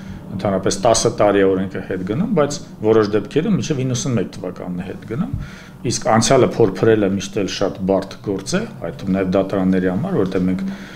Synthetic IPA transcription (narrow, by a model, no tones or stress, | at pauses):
ənt̪ʰɑnɾɑpɛst̪ɑsət̪ɑɾiɛɔɾɛŋkʰəhɛt̪ɡənumbɑjt͡sʰ | vɔɾɔʃd̪ɛpkʰɛɾumːit͡ʃʰɛvinːəsunmɛk̚t̪ʰəvɑkɑ̰nːɛhɛt̪ɡənum | iskʰɑnt͡sʰjɑləpʰɔɾpʰɾɛləmiʃt̪ɛlʃɑt̪bɑɾt̪ʰɡɔɾt͡sɛhɑ̰jt̪umnɑjɛvd̪ɑt̪ɑɾɑnːɛɾihɑmɑɾvɔɾɔt̪ɛvmɛŋkʰ